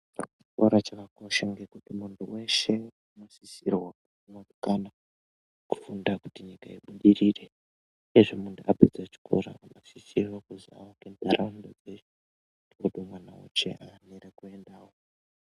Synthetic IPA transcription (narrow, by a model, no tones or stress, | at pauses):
t͡ʃi̥koɾat͡ʃakako̞ʃaŋɡe̞kutimuntʰuwe̞ʃe̞anoʃisirwaku | morukana | ku̥fundaku̥tiɲikaiɓuɗirire | eʐomuntʰuaped͡zat͡ʃi̥kʰo̰ɾa̰anosisirwakuzia̰wakendʱaɾandod͡zet͡ʃe | dioɗomwanawṵt͡ʃḛʔaneɾekue̞ndaːwo